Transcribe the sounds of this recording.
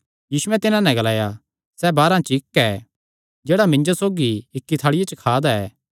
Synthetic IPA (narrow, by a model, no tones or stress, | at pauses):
jiːsʊɛt̪ɪnãnɛ̃ɡɐlaːja | sɛbaːɾãt͡ʃɪkːɛ | d͡ʒeːɽamɪ̃ɲd͡ʒosoːɡiɪkːit̪ʰaːɽɪjet͡ʃəkʰaːd̪aɛː